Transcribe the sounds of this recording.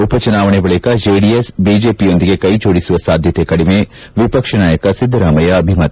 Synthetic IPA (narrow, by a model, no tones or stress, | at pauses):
upɐt͡ʃɐnaːʋɳ̃ebɐɭikɐd͡ʒeːɖiesbiːd͡ʒeːpiõːnd̪iɡekɐid͡ʒoːɽisuʋɐsaːd̪ʱjɐt̪ekɐɽimẽ | ʋipɐkʃɐnaːjɐkɐsɪd̪ʱːɾaːmɐjɐɐbʱimɐt̪